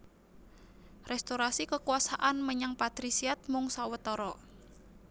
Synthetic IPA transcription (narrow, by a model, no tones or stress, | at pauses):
rɛst̪oɾasikəkuasaʔanməɲaŋpat̪ɾisiat̪̚mʊŋsawət̪ɔɾɔ